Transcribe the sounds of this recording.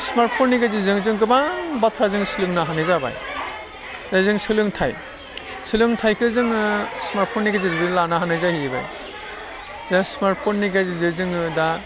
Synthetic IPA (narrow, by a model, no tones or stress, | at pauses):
smaɾt̚pʰonːiɡazizɯŋzɯŋɡɯbabatʰɾazɯŋsɯlɯŋnaɦanajzaba̰j | zajzɯŋsɯlɯŋtʰaj | sɯlɯŋtʰajkʰɯzɯŋɯsmaɾt̚pʰɔnːiɡazizɡɯlanaɦanɯjzahiba̰j | zasmaɾt̚pʰɔnːiɡajzizɯzɯŋɯda